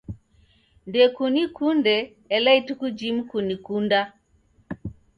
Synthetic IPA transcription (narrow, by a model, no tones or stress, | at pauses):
ndɛkunikundɛː | laitukud͡ʒimukunikunda